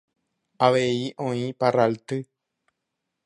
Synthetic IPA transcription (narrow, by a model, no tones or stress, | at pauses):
aʋeiʔõĩparalt̪ɨ